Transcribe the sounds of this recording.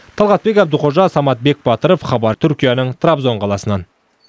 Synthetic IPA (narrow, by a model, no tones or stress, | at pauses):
t̪ʰɑlˠʁɑt̪̚be̞kʲæb̚d̪əlqʰoʒɑsɑmɑt̪̚be̞k̚bɑt̪əɾofχɑbɑɾt̪ʰʏɾkʲijanəɴt̪ʰrabzo̞ɴqʰɑlˠɑsənɑn